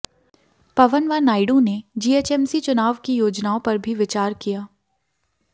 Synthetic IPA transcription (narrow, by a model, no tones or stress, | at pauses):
pɐʋənʋaːnaːɪɖũned͡ʒiːeːt͡ʃɛːmsit͡ʃʊnaːʋkijoːd͡ʒnaːõpɐɾbʱiʋɪt͡ʃaːɾkijaː